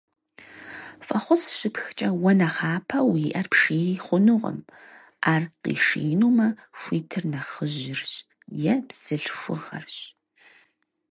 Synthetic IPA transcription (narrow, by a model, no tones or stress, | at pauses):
fʼɐχʷʊsɕɪpxt͡ʃʼɐwɐnɐχaːpʰɐwiʔɐrpʂiːχʷʊnuʁə̰m | ʔaːrqḭːʂḛːnuːmɐxʷiːtʰɨrnɐχəʑɪrɕ | jɛbz̥ɨɬxʷʊʁɐ̰rɕ